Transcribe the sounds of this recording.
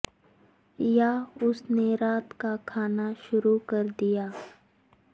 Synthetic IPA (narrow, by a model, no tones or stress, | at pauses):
jaːʊsneɾaːt̪kakʰaːnaʃʊɾukɐɾd̪ijaː